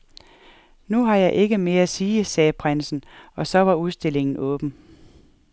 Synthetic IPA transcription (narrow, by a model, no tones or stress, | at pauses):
nuɦɑ̈jɑ̈ɪʔe̝ɡ̥əme̝ːɐæsiːsɛːpʰʁan̰sn̩ɒ̽sɒ̽ʋɑ̈uðˠsd̥e̝le̝ŋn̩ɔ̽ːb̥n̩